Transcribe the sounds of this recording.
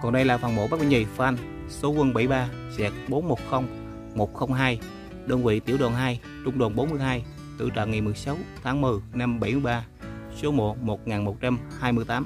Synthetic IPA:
kɔ˨˩nɗə˧jlaː˨˩faː˨˩nmo̰˧˥˦a˦˥ɓi˧˩ŋi˨˩fʔa˧n | so˨˦kwə˧nɓa˧˩jɓaː˧sɛ˨˦˥k̚ɓo˨˦nmo˨˩t̚xə˧wŋ͡m | mo˨˩t̚xə˧wŋ͡mɦaː˧j | ɗəː˧nvḭ˧˨t̪i˧˩əwɗɔ̰˨˩nɦaː˧j | t͡ɕʊ˧ŋ͡mɗo˨˩nɓo˨˦nmɨ˧əjɦaː˧j | t̪ɨ̰˧˨t͡ɕɔ̰˧˨nŋa˨˩jmɨ˨˩əjsa˨˦wt̪ʰaː˨˦ŋmɨ˨˩əjna˧mɓə˧˩jmɨ˧əjɓaː˧ | so˨˦mo˨˩t̚mo˨˩t̚ŋaː˨˩nmo˨˩t̚t͡ɕa˧mhaː˧jmɨ˧jt̪aː˨˦m

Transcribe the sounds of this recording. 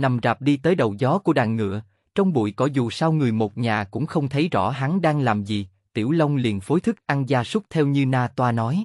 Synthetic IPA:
na˨˩mzaː˨˩p̚ɗi˧t̪əː˨˦jɗə˨˩wzɔ˨˦ku˧˩əɗaː˧˨ŋːɨ̰˧˨ə | t͡ɕɔ˧wŋ͡mɓṵ˧˨jkɔ˨˦zu˨˩saː˧wŋɨ˨˩əjmo˨˩t̚ɲaː˨˩kʊ̰˧˥ŋ͡mxə˧wŋ͡mt̪ʰə˨˦jzɔ̰˧˩ɦa˨˦nɗaː˧ŋlaː˨˩mzi˨˩ | t̪ḭ˧˩əwlə˧wŋ͡mlḭ˧˨ənfo˨˦jt̪ʰɨ˦˥k̚ʔa˧nzaː˧su˦˥k͡p̚t̪ʰɛ˧wɲɨ˧naː˧t̪waː˧nɔ˨˦j

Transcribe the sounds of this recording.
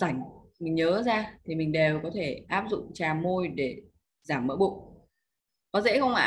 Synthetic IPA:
za˧˩jŋ̟ | mï˨˩ŋ̟ɲəː˨˦zaː˧t̪ʰi˨˩mï˨˩ŋ̟ɗe˨˩wkɔ˨˦t̪ʰe˧˩ʔaː˦˥p̚zʊ̰˧˨ŋ͡mt͡ɕaː˨˩mo˧jɗe˧˩ | zaː˧˩mːə̰ː˧˥ɓṵ˧˨ŋ͡m | kɔ˨˦zḛ˧˥xə˧wŋ͡mʔa̰ː˧˨

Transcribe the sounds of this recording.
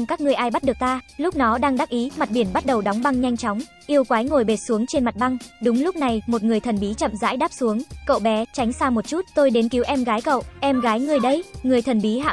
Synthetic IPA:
ŋ͡mkaː˦˥k̚ŋɨ˨˩əjʔaː˧jɓa˦˥t̚ɗɨ˨˩ək̚t̪aː˧lʊ˦˥k͡p̚nɔ˨˦ɗaː˧ŋɗaː˦˥k̚ʔi˨˦ma˨˩t̚ɓi˧˩ənɓa˦˥t̚ɗə˨˩wɗɔ˨˦wŋ͡mɓa˧ŋɲa˧jŋ̟t͡ɕɔ˨˦wŋ͡m | ʔi˧əwkwaː˨˦jŋo˨˩jɓe˨˩t̚su˨˦əŋt͡ɕe˧nma˨˩t̚ɓa˧ŋɗʊ˨˦ŋ͡mlʊ˦˥k͡p̚na˨˩jmo˨˩t̚ŋɨ˨˩əjt̪ʰə˨˩nɓi˨˦t͡ɕə̰˧˨mza̰ː˧˥jɗaː˦˥p̚su˨˦əŋkə̰˧˨wɓɛ˨˦t͡ɕa˨˦jŋ̟saː˧mo˨˩t̚t͡ɕu˦˥t̚t̪o˧jɗe˨˦nki˨˦wʔɛ˧mɣaː˨˦jkə̰˧˨wʔʔɛ˧mɣaː˨˦jŋɨ˨˩əjɗə˧jŋɨ˨˩əjt̪ʰə˨˩nɓi˨˦ɦa̰ː˧˨

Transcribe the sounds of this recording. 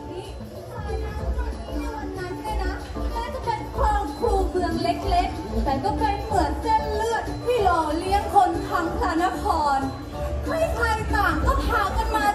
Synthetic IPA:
ʔi˦˥˩ | kʰaː˧jna˦˥˧ka˧˩u˧˥˩a˧nːa˦˥naː˧˩na˦˥ | naː˥˩t͡ɕa˨˩pʰe˦˩n̚kʰwaː˧kʰuː˧bɯ˧əŋle˦˥k̚le˦˥k̚t̪ɛː˨˩kɔː˥˩kʰaː˧jmɯ˩˦ənt͡ɕe˥˩nlɯ˥˩ət̪̚fʰiː˥˩lɔː˧˩li˦˥əŋkʰo˧nk̪ʰa˦˥ŋsaː˨˧˦na˦˥kʰɔː˧n | ha˥˩jpʰa˧jt̪aː˨˩ŋkɔː˥˩t̪ʰaː˨˦wka˧nmaː˥˩

